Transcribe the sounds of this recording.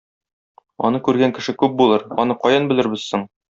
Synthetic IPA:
ɒ̰nɤkʉɾɡæŋkɘ̆ʃɘkʉp̚bulˠɤɾɒnɤqɒjɤnbɘ̆lɘ̆ɾbɘzsɘɴ

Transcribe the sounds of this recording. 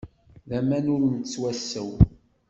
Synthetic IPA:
ðæmænʊɾnt͡sːwæsːəw

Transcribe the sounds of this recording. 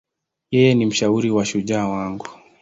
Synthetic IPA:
jɛjɛnim̩ʃauɾiwaʃuʄaːwaŋɡu

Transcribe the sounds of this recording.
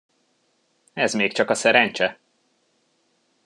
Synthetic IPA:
ɛzmeːkt͡ʃɒkɒsɛɾɛnt͡ʃɛ

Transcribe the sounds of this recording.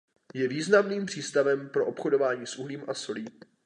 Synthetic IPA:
jɛviːznamniːmpr̝̥iːst̪avɛmpɾo̞ʔopxodo̞vaːɲiːsʔuɦliːmʔaso̞liːm

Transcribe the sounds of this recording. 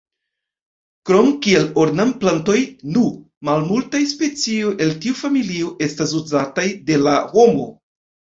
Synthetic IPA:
kɾo̞mkie̞loɾnamplanto̞jnu | malmultajspe̞t͡siojʔe̞ltiufamilioʔe̞stas̬uzatajde̞laho̞mo̞̰

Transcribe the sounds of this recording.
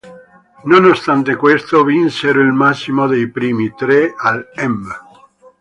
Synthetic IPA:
nonost̪ant̪ekwest̪ovinseɾoilmasːimod̪ejpɾiːmit̪ɾealɛm

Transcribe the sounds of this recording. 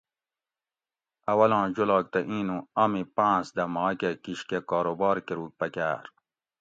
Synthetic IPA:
ɐwɐlɑ̃ːd͡ʑulɑːk̚t̪ɐʔĩːnũɐmipãːsd̪ɐmɑ̃ːkekiɕkekɑːɾobɑːɾkiɾuːk̚pɐkæ̰ːɾ

